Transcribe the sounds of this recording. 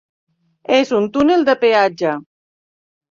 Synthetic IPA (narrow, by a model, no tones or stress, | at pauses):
ezunt̪uneld̪əpead͡ʒa